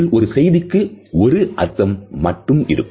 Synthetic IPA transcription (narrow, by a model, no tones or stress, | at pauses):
lʔɔɾɯsɛjðɪkːɯɔɾɯʔɐɾt̪ɐmːɐʈːɯmɪ̰ɾɯkː